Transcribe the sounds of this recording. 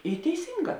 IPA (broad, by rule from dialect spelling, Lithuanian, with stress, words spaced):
ɪ tʲɛɪˈsʲiːŋˌɡɑː